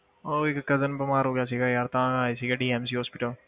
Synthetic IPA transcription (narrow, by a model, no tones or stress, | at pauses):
oɪkkɐzənbɐmaːɾɦoːɡjaːsiɡajaːɾt̪ãaːisiɡaɖiːɛms̬iːɦɔːspɪʈəl